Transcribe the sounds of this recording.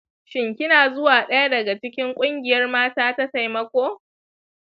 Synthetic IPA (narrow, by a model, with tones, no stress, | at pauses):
ʃɪ˨ŋkʲɪ˦naː˨zʊ˦waː˨ɗɐ˦ja˦dɐ˨ɡa˨t͡ʃɪ˦kʲɪ˦ŋkʷʼʊ˦ŋɡʲɪ˨jɐ˦rmaː˦taː˦ta˦ta˨jmɐ˦kʷoː˦